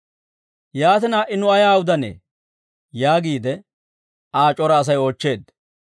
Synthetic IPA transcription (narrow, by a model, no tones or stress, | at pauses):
jaːt̪ɪnaːʔɪnːʊɐjaːwʊd̪ɐnḛː | jaːɡiːd̪ɛ | aːt͡ʃʼɔɾɐːs̬ɐjo̞ːt͡ʃːe̞ːd̪